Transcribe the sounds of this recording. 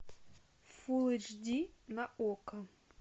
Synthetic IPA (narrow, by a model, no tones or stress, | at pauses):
fulˠɪd͡ʒdʲinɐʔɔkɐ